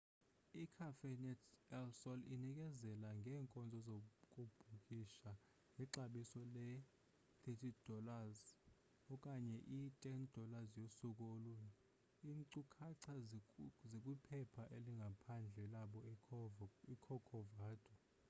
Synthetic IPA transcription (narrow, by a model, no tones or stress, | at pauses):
ikʰafɛnɛtʰɛlsɔlinik̬ʼɛzɛlaŋɡʱɛːŋkʼɔnd͡zʱɔzok̬ʼub̥ʱuk̬ʼiʃa | ŋʱɛǀaɓisɔlɛ | θʰetʰid̥ʱɔlaz | ɔk̬ʼaɲɛʔitʼɛnd̥ʱɔlazjosuk̬ʼolun | inǀukʰaǀʰazek̬ʼipʰɛpʰaʔeliŋɡʱapʰand͡ɮʱɛlaɓɔ | ikʰɔkʰɔvaːd̥ʱu